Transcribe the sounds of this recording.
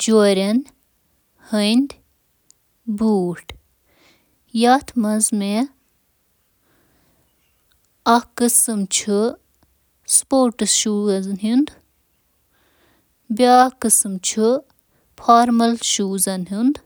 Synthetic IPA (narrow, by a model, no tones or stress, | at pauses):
d͡ʒoɾʲɐn | hɐjnd̪ʲ | buːʈ | jat̪ʰmɐzme | ɐkɨsɨmt͡ʃʰɨ | spoːɾʈɨsʃuːɐznɦind̪ | baːkɨsɨmt͡ʃʰu | pʰaːɾmɐlʃuːzɐnɦund̪